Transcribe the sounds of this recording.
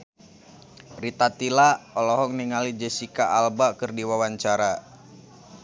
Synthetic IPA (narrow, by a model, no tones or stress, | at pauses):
rit̪at̪ilaɔlɔɦɔŋniŋalid͡ʒəsikaʔalbakɨrdiwawaɲt͡ʃaɾa